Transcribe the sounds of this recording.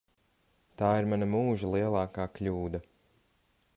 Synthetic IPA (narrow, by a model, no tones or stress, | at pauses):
t̪aːiɾmanɐmuːʒalˠiɛlˠaːkaːkʎʲuːd̪ɐ